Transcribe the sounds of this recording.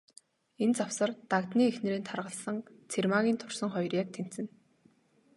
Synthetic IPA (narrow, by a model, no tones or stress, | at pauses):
ent͡sawsə̆rt̪akt̪niːexnĕɾeːnt̪ʰarʁə̆ɮsə̆ŋt͡sʰermaɣʲiːnt̪ʰʊrsə̆ŋχɔjrʲjaːk̚t̪ʰen̥t̪t͡sɘ̆n